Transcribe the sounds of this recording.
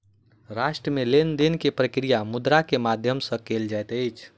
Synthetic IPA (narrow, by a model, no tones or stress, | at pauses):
ɾaʃʈɾəmelend̪inkepɾəkɾijamud̪ɾakemad̪ʱjəmsə̃keld͡ʒajt̪əjt͡ʃʰ